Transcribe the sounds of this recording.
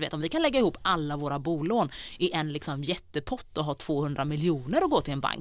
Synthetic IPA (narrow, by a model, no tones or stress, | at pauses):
vḛːt̪ɔmvɪkʰanlɛɡːaɪhuːpːalːavoːɾabuːloːnɪʔɛnlɪksɔmjɛt̪ːəpʰɔt̪ːɔɦɑːt̪ʰv̥oːhɵnd̪ɾamɪljuːnəɾɔɡoːt̪ʰɪlɛnba̰ŋk